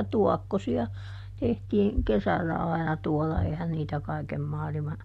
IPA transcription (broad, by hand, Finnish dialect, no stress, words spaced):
tuɔkːosiɑ tehtiːŋ kesælːæ ɑi̯nɑ tuɔlːɑ eihæn niːtæ kɑikem mɑːlimɑ